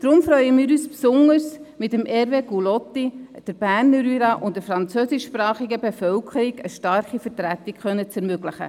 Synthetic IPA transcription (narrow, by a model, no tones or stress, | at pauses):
d̥ɾʊmfɾœʏəmiːɾyːspsʊŋəɾsmɪtəmʔɛɾveɡulɔtːid̥əɾb̥æːɾnəɾyɾɑʔʊntdəfɾɑnt͡søsɪʃːprɑːχiɡəbefœlkʰəɾiɡəʃtɑrχifəɾtɾæt̪ːɪkχœnːət͡sɛɾmøɡləχə̰